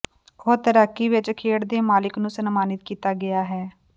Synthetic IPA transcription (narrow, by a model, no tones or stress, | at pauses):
oːɾt̪əɾəkːiːʋɪt͡ʃkʰeːɽd̪eːmaːlɪknũːsənmaːnɪt̪̚kiːt̪aːɡɪjaːɦɛː